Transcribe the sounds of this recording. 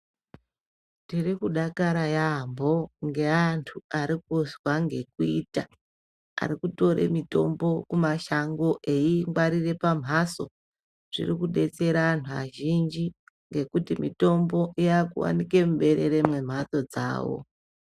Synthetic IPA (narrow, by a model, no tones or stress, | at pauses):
tirikuɗakaɾajambo̞ŋɡe̞antʰuaɾik̚uzwaŋɡe̞kuiːta | a̰ɾikuto̞ɾe̞̰mito̞̰mbo̞kumaʃaŋɡo̞ʔe̞iŋɡwaɾire̞pam̤ɦaso̞̰ | ʐ̥ḭrikuɗe̞t͡se̞ɾaantʰua̰ʒind͡ʒi | ŋɡe̞kutimito̞mbo̞ʔiakṵwa̰nike̞muɓe̞ɾe̞ɾe̞mwe̞m̤at̪o̞d͡za̰ːwo̰